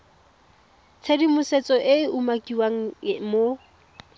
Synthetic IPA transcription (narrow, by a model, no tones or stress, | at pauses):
t͡sʰedimʊset͡sʼɔʔɪɪʔumakʼiwaŋ̩mo